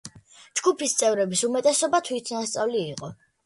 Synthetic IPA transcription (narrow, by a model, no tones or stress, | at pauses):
d͡ʒɡupʰist̪sʼɛvɾɛbisumɛt̪ʼɛsɔbat̪ʰwit̪ʰnast̪sʼavliːqʼɔ